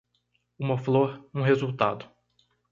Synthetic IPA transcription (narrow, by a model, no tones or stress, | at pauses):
ũmɐfloɾũɦezuwt̪a̰d̪ʊ